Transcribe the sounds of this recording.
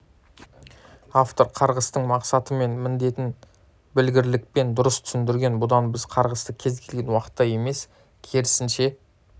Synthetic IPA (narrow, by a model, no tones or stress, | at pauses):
aft̪o̞ɾqʰɑɾʁəst̪əɴmɑqsɑt̪əme̞nmɪnd̪e̞t̪ɪn | bɪlɡʲɪɾlɪk̚pe̞nd̪ʊɾəst̪ʰʏ̥sɪnd̪ɪɾɡʲe̞nbʊd̪ɑnbɪz̥qʰɑɾʁəst̪əkʲʰe̞zkʲʰe̞lɡʲe̞nwɑqə̥t̪ːɑje̞me̞s | kʲʰeɾɪsɪnʃe̞